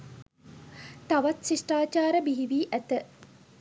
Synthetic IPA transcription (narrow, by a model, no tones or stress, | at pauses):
t̪aʋat̪sisʈaːt͡ʃaːɾəbiɦiʋiːʔæt̪ə